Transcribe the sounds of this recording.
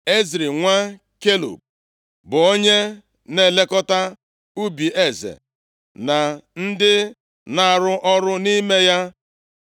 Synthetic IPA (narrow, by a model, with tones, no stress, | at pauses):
e˦zɾi˨ŋʷa˦ | ke˦lo̰˨p̚ | bʊ˨o˦ɲe˦ | ne˨le˦kɔ˦ta˦ | u˦bi˨ʔe˦zḛ˨ | na˨n̩˦dɪ˦ | na˦˨ɾʊ˦ʔɔ˦ɾʊ˦ni˦me˦ja˦